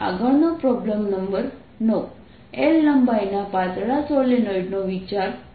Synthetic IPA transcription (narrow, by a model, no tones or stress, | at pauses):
a̰ɡəɭnopɾɔbləmnəmbəɾ | nɔʋ | elnəmbajnapat̪ɽasolenɔiɖnoʋit͡ʃaɾ